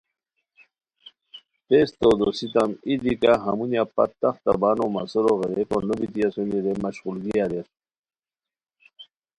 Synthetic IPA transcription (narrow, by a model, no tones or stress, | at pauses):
t̪est̪od̪osit̪amid̪ikaɦamunjapa̰t̪ːaxt̪a̰banomasoɾoɣeɾekonobit̪ijasuniɾemaɕɣulɡijaɾeɾ